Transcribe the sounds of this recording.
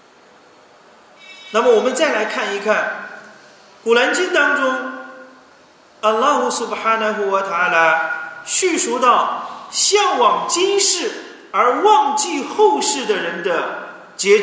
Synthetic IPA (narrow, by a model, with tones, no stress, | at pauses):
na˥˩mə˩wɔ˨˩mə˦nt͡sa˥˩ɪla˧˥ɪkʰa˥˩ni˧˥kʰa˥˩n | ku˨˩la˧˥nt͡ɕy˥nt̪ɑ˥ŋʈ͡ʂʊ˥ŋ | ɐ˨˩lːɑ˥xʊ˧˩sʊ˨˩bħa˥nə˧ɦu˧wə˧t̪ʰa˧a˥la˧˩ɕy˥˩ʂu˧˥t̪ɑ˥˩ʊɕjɑ˥˩ŋwɑ˨˩ŋt͡ɕi˥nʂɻ̩˥˩ | ə˞˧˥wɑ˥˧ŋt͡ɕi˥˧xo˥˧ʊʂɻ̩˥˩d̪ə˩ɻə˧˥nd̪ə˧ | t͡ɕjɛ˧˥ʈ͡ʂ